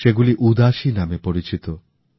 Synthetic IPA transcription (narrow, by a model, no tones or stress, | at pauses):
ʃeɡuliʔud̪aʃinamepoɽit͡ɕit̪o